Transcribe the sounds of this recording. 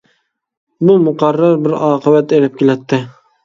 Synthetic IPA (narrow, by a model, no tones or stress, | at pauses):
bumʊqɑɾːɑɾbɪɾɑːqʰɨbat̪elɪp̚kʲelæt̪ʰːɪ